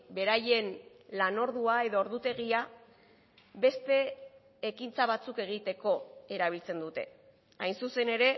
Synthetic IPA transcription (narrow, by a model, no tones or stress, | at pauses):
be̞ɾaje̞n | lano̞ɾðuae̞ð̞o̞ːɾðut̪e̞ɣia | βe̞st̪e̞ː | kint͡saβ̞at͡suke̞ɣ̞it̪e̞ko̞e̞ɾaβ̞ilt͡se̞nd̪ut̪e̞̰ | ajnsuse̞ne̞ɾe̞